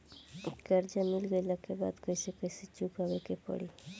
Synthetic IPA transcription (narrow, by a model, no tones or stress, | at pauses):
ekaɾd͡ʒamilɡojlakeba̰d̪kojsekojset͡ʃukabekepɔ̰ɽi